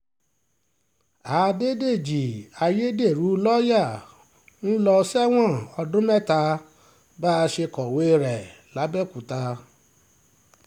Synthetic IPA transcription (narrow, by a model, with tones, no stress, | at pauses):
a˨˦de˦de˦˨d͡ʒi˨a˧je˦de˦˨ɾu˨˦lɔ˦ja˦˨ | n̩˦lɔ˧sɛ˦w̃ɔ̃˦˨ɔ˧dũ˦mɛ˦˨ta˧ | ba˦˧ʃe˧kɔ˨we˦˧ɾɛ˨ | la˨˦bɛ˦˨ku˨ta˧